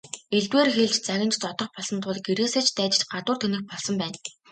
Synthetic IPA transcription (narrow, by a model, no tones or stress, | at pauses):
eɮt̪weːrxeɮt͡ɕt͡saɣʲɪ̆mt͡ɕt̪ɔt̪ɞ̆χpɔɮsɞ̆nt̪ʰʊːɮ̆ɡeɾeːseːt͡ɕʰt̪æːt͡ɕɪ̥̆t͡ɕɢat̪ʊːrt̪ʰɵnɘ̆xpɔɮsɞ̆mpæːn